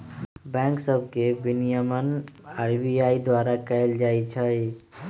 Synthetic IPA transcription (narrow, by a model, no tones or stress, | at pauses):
bɛ̃ŋksəbʱkebinijəmənaɾbiaid̪waɾakəjld͡ʒajt͡ʃʰəj